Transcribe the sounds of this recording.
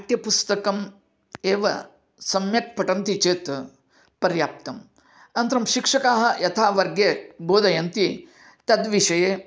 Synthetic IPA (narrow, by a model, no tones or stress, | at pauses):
t̪jɐpust̪ɐkɐm | eːʋɐ̰ | sɐmjɐt̚pɐʈɐnt̪it͡ʃeːt̪ | pɐɾjaːp̚t̪ɐm | ɐnt̪ɾɐmʃikʂɐkaːɦɐ̆jɐt̪ʰaːʋɐɾɡjeːboːd̪ɐjɐnt̪i | t̪ɐd̪ʋiʂɐjeː